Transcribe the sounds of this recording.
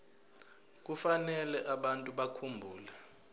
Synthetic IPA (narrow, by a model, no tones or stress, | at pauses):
k̬ufanɛlɛʔaɓantʼuɓakʰumbʱuːlɛ